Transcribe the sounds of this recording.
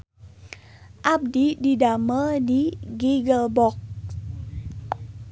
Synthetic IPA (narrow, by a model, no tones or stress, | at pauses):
ʔab̚dididamədiɡiɡəlbɔk̚